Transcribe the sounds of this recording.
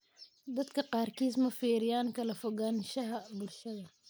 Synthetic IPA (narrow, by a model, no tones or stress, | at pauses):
d̪ɐd̪kʰɐqɑːrkʰiːsmɐfiːɾɪjaːnkʰɐlɐfɔɣanʃɐɦɐbʊlʃɐðɐ